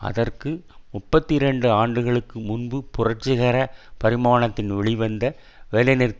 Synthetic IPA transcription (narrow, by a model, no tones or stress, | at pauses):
ʔɐ̰ðɐrkɯmʊpːɐt̪ːɪɾɛɳɖɯaːɳɖɯɣɐɭɯkːɯmʊnbɯpʊrɐʈ̚t͡ʃɪɣɐɾɐpɐɾɪmaːɳɐt̪ːɪnʋɛɭɪʋɐnd̪ɐ | ʋɛːlɐnɪɾ